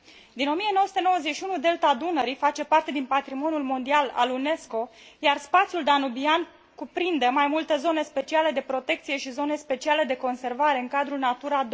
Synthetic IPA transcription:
d̪ino̞mije̞nowəsut̪eno̞wəzeʃiunud̪e̞lt̪ad̪unəɾifat͡ʃe̞part̪e̞d̪inpat̪ɾimo̞njulmo̞nd̪iala̰lune̞sko̞jarspat̪sijuld̪anubian | kupɾind̪emajmult̪ezo̞ne̞spe̞t͡ʃiale̞d̪e̞pɾo̞t̪e̞k̚t̪sije̞ʃizo̞ne̞spe̞t͡ʃiale̞d̪e̞ko̞nse̞rvaɾe̞ɨŋkad̪ɾunat̪uɾad̪

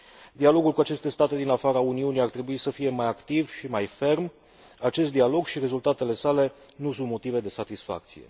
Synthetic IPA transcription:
d̪ialo̞ɡulkuat͡ʃe̞st̪e̞st̪at̪e̞d̪inafaɾəauniuniart̪ɾe̞buisəfije̞majakt̪ivʃimajfe̞rm | at͡ʃe̞s̬t̪d̪ialo̞ɡʃiɾe̞zult̪at̪e̞le̞sale̞ | nusunt̪mo̞t̪ive̞d̪e̞sat̪isfa̰k̚t̪sijḛ

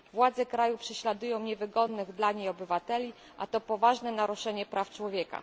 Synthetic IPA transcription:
vwad̪zɛkɾajupʂɛɕlad̪ujɔ̃w̃ɲɛvɘɡɔd̪nɘɣd̪laɲejɔbɘvat̪ɛlʲi | ʔa̰t̪ɔpɔvaʐnɛnaɾuʂɛɲɛpɾaft͡ʂwɔvʲjɛka̰

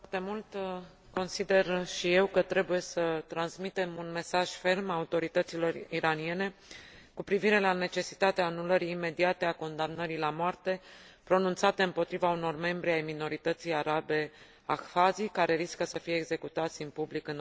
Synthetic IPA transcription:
t̪e̞mult̪ | ko̞nsid̪e̞rʃije̞wkət̪ɾe̞buje̞sət̪ɾansmit̪e̞munme̞saʒ̥fe̞rmaut̪o̞ɾit̪ət̪silo̞riɾanije̞ne̞kupɾiviɾe̞lane̞t͡ʃe̞si̥t̪at̪eaːnuləɾiːme̞d̪iat̪e̞ako̞nd̪amnəɾilamoart̪e̞ | pɾo̞nunt̪sat̪e̞ɨmpo̞t̪ɾivauno̞rme̞mbɾiajmino̞ɾit̪ət̪sijaɾabe̞ | axfazikaɾe̞ɾiskəsəfije̞ːɡze̞kut̪at̪sʲɨnpublikɨn

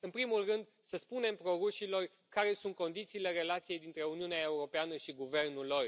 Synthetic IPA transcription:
ɨnpɾimulrɨnd̪ | səspune̞mpɾo̞ɾuʃilo̞r | kaɾe̞sunt̪̚ko̞nd̪it̪siːle̞ɾe̞lat̪sije̞jd̪int̪ɾe̞uniuneae̞uɾo̞peanəʃiɡuve̞rnulːo̞r

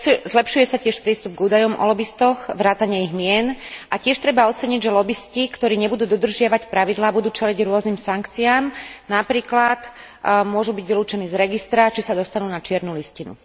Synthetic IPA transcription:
zlɛpʃujɛsacɪɛʃpɾiːst̪ub̚ɡuːd̪ajɔmʔɔ̰lɔbist̪ɔxʋɾaːt̪aɲɛiɣmɪɛnʔacɪɛʃt̪ɾɛbaɔt͡sɛɲiɟʒɛlɔbiscikt̪ɔɾiːɲɛbud̪uːd̪ɔd̪r̩ʒɪaʋacpɾaʋid̪laːbud̪uːt͡ʃɛliɟɾʊɔzniːmsaŋkt͡siaːmnapɾiːklat̪ | mʊɔʒubiɟʋiluːt͡ʃɛniːzɾɛɡist̪ɾat͡ʃisad̪ɔst̪anuːnat͡ʃɪɛɾnuliscinṵ

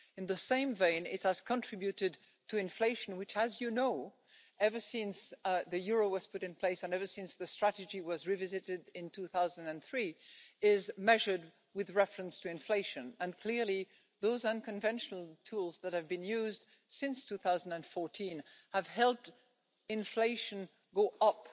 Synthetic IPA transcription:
ɨ̃nðɨsẽɪ̃mvẽɪ̃nɪ̰təz̥kʰə̃ntʰɹ̥ɪbjʉɾɨd | tʰɨɨ̃ɱfleɪʃn̩wɨɪt͡ʃɨzjɨnoʊ | ɛvə˞sɪ̃nsðɨjʊɹoʊwʌz̥pʰʊɾɨ̃npʰl̥eɪsɨ̃nɛvə˞sɪ̃nsðɨstɹ̥æɾɨd͡ʒiwʌzɹivɪzɨɾɪɾɪ̃ntʰʉθaʊzə̃ndɨ̃nθɹiɪzmɛʒə˞d̚ | wɨðɹɛfɹɨ̃nstʰɨɨ̃ɱfleɪʃɨ̃nɨ̃nkʰl̥ɪɹli | ðoʊzʌ̃nkɨ̃ɱvɛ̃nʃnl̩ˠtʰulˠzðət̚hɨvbɨ̃njʉzd̥ | sɪ̃nstʰʉθaʊzn̩dɨ̃nfɔɹtʰĩnhəv̥hɛlˠp̚t | ɨ̃ɱfleɪʃɨ̃n | ɡoʊʔʌp̚

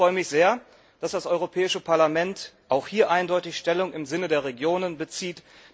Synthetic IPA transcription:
ʁ̥ɔʏəmɪçz̥eːɐ | d̥asd̥asʔɔʏʁ̞opʰɛːɪʃəpʰaɐlamɛntʔaʊxhiːɐʔaɪndɔʏtɪçʃtɛlʊŋɪmzɪnədeːɐʁ̞eɡjoːnənbət͡siːt

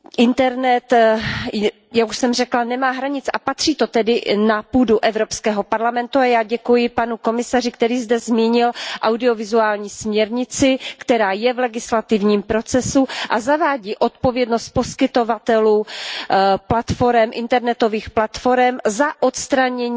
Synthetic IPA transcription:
ʔɪnt̪ɛɾnɛt̪ | jakuʃsɛmrɛklanɛmaːɦɾaɲɪt͡sapat̪r̥iːt̪o̞t̪ɛdɪnapuːduʔɛvɾo̞pskɛːɦo̞paɾlamɛnt̪uajaːɟɛkujɪpanuko̞mɪsarɪk̚t̪ɛɾiːzdɛzmiːɲɪlʔawdɪo̞vɪzuaːlɲiːsmɲɛɾɲɪt͡sɪkt̪ɛɾaːjɛvlɛɡɪslat̪ɪvɲiːmpɾo̞t͡sɛsuʔazavaːɟiːʔo̞t̪po̞vjɛdno̞st̪̚po̞skɪt̪o̞vat̪ɛluː | plat̪fo̞ɾɛmʔɪnt̪ɛɾnɛt̪o̞viːxplat̪fo̞ɾɛmzaʔot̪st̪ɾaɲɛɲː

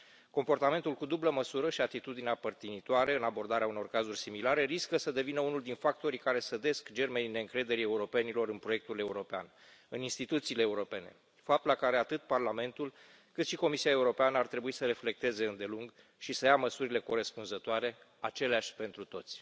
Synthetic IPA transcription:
ko̞mpo̞rt̪ame̞nt̪ulkud̪ubləməsuɾəʃiat̪it̪ud̪ineapərt̪init̪oaɾeɨnabo̞rd̪aɾeauno̞rkazurʲsimilaɾe̞riskəsəd̪e̞vinəunuld̪infak̚t̪o̞ɾikaɾe̞səd̪e̞skd͡ʒe̞rmene̞ɨŋkɾe̞d̪e̞ɾie̞uɾo̞pe̞nilo̞ɾɨnpɾojek̚t̪ule̞uɾo̞pea̰n | ɨninst̪it̪ut̪siːle̞ːuɾo̞pe̞ne̞̰ | fap̚t̪ulakaɾe̞at̪ɨt̪̚parlame̞nt̪ul | kɨt̪ʃiko̞misiae̞uɾo̞peanəart̪ɾe̞buisəɾe̞fle̞k̚t̪e̞ze̞ɨnd̪e̞luŋɡ | ʃisəjaməsuɾile̞ko̞ɾe̞spunzət̪oaɾe̞ | at͡ʃe̞leaʃʲpe̞nt̪ɾut̪o̞t̪sʲ

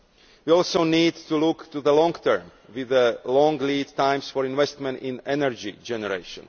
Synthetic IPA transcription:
ʋiɔlˠsoʊniːdtulukt̪uðəlɔ̃ŋɡt̪ʰə˞mwiðəlɔ̃ŋɡliːdt̪ãɪ̃msfɔɹĩnʋɛst̪mɛ̃nĩnɛnəɹd͡ʒid͡ʒɛnɛɹḛɪʃə̰̃n

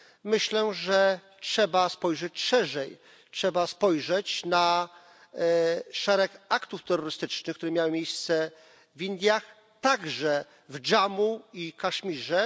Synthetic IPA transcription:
mɘɕlɛʐɛ | tʂɛbaspɔjʐɛt͡ɕʂɛʐɛj | tʂɛbaspɔjʐɛt͡ɕna | ʂɛɾɛkakt̪uft̪ɛɾːɔɾɘst̪ɘt͡ʂnɘxkt̪uɾɛmʲjawɘmʲjejst̪sɛ | vind̪ʲjax | t̪aɡʐɛ | vd͡ʐamuikaʂmʲiʐɛ

